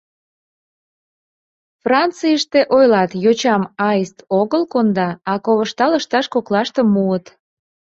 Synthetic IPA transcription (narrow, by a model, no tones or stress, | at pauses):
frɑnt͡sijəʃt̪eʔojlɑt̪jot͡ɕɑmɑjəst̪oɣəlkond̪ɑɑkoβəʃt̪ɑləʃt̪ɑʃkoklɑʃt̪əmːuət̪